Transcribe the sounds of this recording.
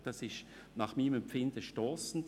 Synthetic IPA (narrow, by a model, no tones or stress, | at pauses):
d̥ɑsɪʃ | naːχmiːmɛmpfɪndəʃtɔːsn̩d